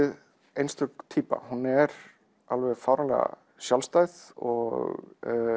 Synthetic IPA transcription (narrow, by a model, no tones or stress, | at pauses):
ɪð | ejnst̪ʰʏkt̪ʰiːpa̰hunːɛɾ | alvɛðfawɾanlɛɣa̰ | sjalst̪aːjðɔɣ